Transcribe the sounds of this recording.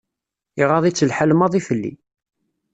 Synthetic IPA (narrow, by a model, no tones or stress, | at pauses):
iʁɑðˤit͡sːəlħalmɑðˤifəlːḭ